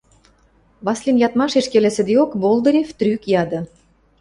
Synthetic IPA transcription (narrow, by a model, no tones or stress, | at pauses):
βɑslʲinjɑt̪mɑʃeʃkelĕsə̆d̪eokbolˠd̪ɤ̆ɾʲeft̪ɾykjɑd̪ɤ̆